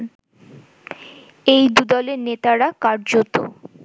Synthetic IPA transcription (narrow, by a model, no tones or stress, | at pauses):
ejd̪ud̪ɔleɾnet̪aɾakaɾd͡ʑot̪o̰